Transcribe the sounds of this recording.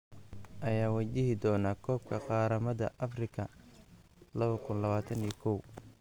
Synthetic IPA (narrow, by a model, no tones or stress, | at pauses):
ʔɐjaːwat͡ʃɪɦɪd̪ɔːnaːkʰɔːbkʰɐqɑːɾɐmɐd̪ɐ̰ʔɐfrɪkʰɐ | lɐβɐkʰʊnlɐβaːt̪ʰɐniːkʰɔw